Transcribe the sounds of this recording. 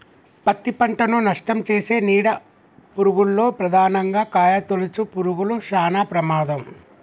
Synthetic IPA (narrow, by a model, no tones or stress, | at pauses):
pɐt̪ːipɐɳʈɐnunɐʂʈɐmt͡ʃeːse̞ːniːɽɐ | puɾuɡulːo̞ːpɾɐd̪ʱaːnɐŋɡaːkaːjɐt̪olut͡ʃupuɾuɡuluʃaːnaːpɾɐmaːd̪ɐm